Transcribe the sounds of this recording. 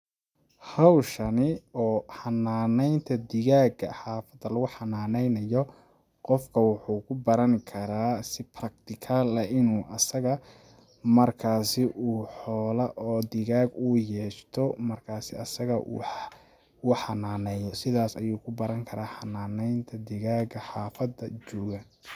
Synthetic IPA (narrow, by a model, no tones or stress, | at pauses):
hɑwʃɐnɪɔːħɑnːaːnɛjnt̪ʰɐd̪ɪɣaːɡɐħaːfɐd̪ɐlɐɣʊħɑnaːnɛjnɐjɔ | qɔfkʰɐwʊħuːkʰʊbɐɾɐŋkʰɐɾaːsɪpʰrɐk̚t̪ʰɪkʰaːlɐʔɪnuːʔɐsɐɣɐ | mɐrkʰaːsɪʔuːħɔːlɐʔɔːd̪ɪɣaːɡuːjɛːʃt̪ʰɔmɐrkʰaːsɪɐsɐɣɐʔṵː | uːħɑnaːnɛjɔsɪðaːsɐjuːkʰʊbɐɾɐŋkʰɐɾaːħɑnaːnɛjnt̪ʰɐd̪ɪɣaːɡɐħaːfɐd̪ɐt͡ʃɔːɣɐ